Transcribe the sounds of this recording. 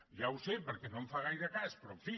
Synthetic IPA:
ʒawsepəɾkenõɱfaɣajɾakaspɾɔfi

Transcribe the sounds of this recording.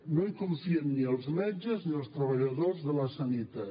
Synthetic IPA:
noikunθiənniəlˠzmɛd͡ʒəzniəlˠst̪ɾəβəʎəðozðələsanit̪a

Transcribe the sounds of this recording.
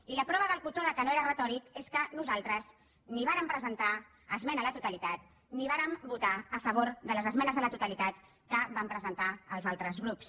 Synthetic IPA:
iləpɾɔβəðəlˠkut̪oðəkənoeɾərət̪ɔɾikeskənuzalˠt̪ɾəz | niβ̞aɾəmpɾəzənt̪a | əzmɛnələt̪ut̪əlit̪at̪̚ | niβaɾəmbut̪aəfəβ̞oɾðələzəzmɛnəzðələt̪ut̪əlit̪at̪ | kəbampɾəzənt̪aəlˠzalˠt̪ɾəzɣɾups

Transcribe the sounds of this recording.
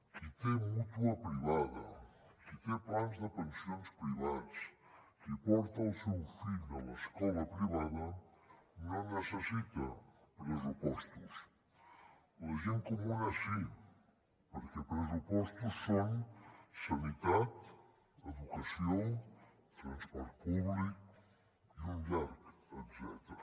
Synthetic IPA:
kɨt̪ɛmut̪uɐpɾiβaðɐ̰kɨt̪ẽplanzðɨpẽnsjõnspɾiβaðskipɔɾt̪ɐwsewfiʎawɐʃkɔlɐpɾiβaðɐ | nõwnesesit̪ɐpɾesupɔʃt̪us | ɐʒẽnkomũnɐsĩ | poɾkepɾesupɔʃt̪ussõw̃sɐnit̪að | eðukɐsjõw̃ | t̪ɾɐ̃nspɔɾpuβliku | iũmʎaɾket̪sɛ̰t̪ɾɐ

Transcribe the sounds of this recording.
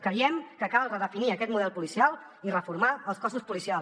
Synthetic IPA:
kɾəjɛmkəkalˠrəðəfiniəkɛt̪muðɛlˠpulisialˠ | irəfuɾmaəlˠskɔsuspulisials

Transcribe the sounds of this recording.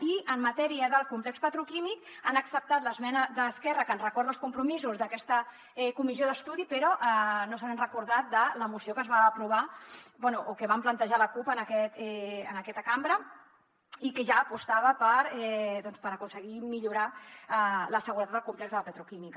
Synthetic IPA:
iʔəmːət̪ɛɾiəðəlˠkumplɛkspət̪ɾukimik | anəksəp̚t̪at̪ləzmɛnəðəːskɛrəkənrəkɔɾðəlˠskumpɾumizuzðəkɛst̪ə | ɛkumizioðəst̪uðipəɾɔʔanosanənrəkuɾðat̪̚d̪ələmusiokəzβaːpɾuβ̞abɛnuʔokəβamplənt̪əʒaləkupənəkɛt̪ɛənəkɛt̪əkambɾə | ikəʒaːpust̪aβəpəɾɛðɔnspəɾəkunsəɣimiʎuɾaələsəɣuɾət̪ad̪d̪əlˠkumplɛkzðələpət̪ɾukimik

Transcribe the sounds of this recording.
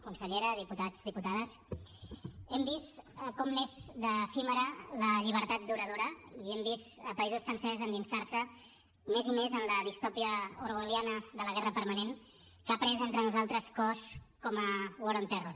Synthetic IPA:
kunsəʎeɾəðiput̪ad͡zðiput̪aðəs | ɛmbist̪kɔmnezd̪əfiməɾələʎiβ̞əɾt̪at̪̚d̪uɾəð̞oɾəiɛmbist̪əpəizusːənsɛzənd̪insarsə | mezimezənləðist̪ɔpiəuɾuɣəljanəðələɣɛrəpəɾmənen | kapɾɛzent̪ɾənuzalˠt̪ɾəskɔskɔməwoɾont̪ɛro

